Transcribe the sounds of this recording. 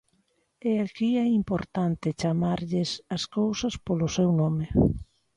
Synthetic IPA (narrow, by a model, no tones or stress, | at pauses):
ɛakiɛimpoɾt̪ant̪ɪt͡ʃamaɾʎɪsaskowsɐspolʊsɛwnɔme